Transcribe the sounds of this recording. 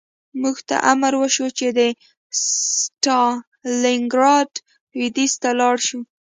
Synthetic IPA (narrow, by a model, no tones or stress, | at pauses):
muɡt̪a̰ʔamaɾwəʃot͡ʃed̪ə | ssʈɑ | lɪŋɡɾɑɖ | wid̪ist̪alɑɽʃu